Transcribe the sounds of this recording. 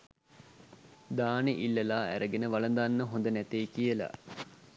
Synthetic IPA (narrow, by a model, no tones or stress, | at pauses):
d̪aːneʔilːɐlaːæ̰ɾʔəɡenəʋalənd̪anːəɦõnd̪ənæt̪eːkijəla̰